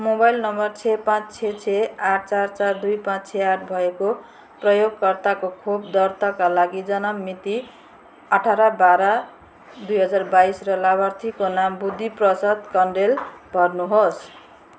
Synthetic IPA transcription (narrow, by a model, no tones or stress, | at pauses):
mobajlnʌmbʌrt͡sʰepãt͡st͡sʰet͡sʰeaʈ̚ʰt͡sart͡sard̪ujpãt͡st͡sʰeaʈ̚ʰbʱʌeko | prʌjoɡkʌrt̪akokʰobd̪ʌrt̪akalaɡid͡zʌnʌmːit̪i | ʌʈʰaɾʌbaɾʌ | d̪ujɦʌd͡zarbaisrʌlaβʱart̪ʰikonambud̪ʱːiprʌsʌd̪kʌɳɖelbʱʌrnuɦos